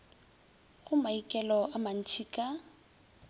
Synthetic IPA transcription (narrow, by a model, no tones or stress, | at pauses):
ɣʊmaikʼɛlɔaman̩t͡ʃʰikʼa